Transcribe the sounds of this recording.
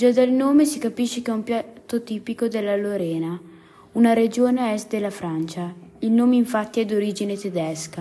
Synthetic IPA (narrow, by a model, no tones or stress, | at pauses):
d͡ʒad̪alnoːmesikapiʃːekɛumpjatt̪ːot̪iːpikod̪elːaloɾɛːna | unaɾed͡ʒoːneɛst̪̚d̪elːafɾant͡ʃailnoːmeiɱfat̪ːiɛd̪oɾiːd͡ʒinet̪ed̪ɛska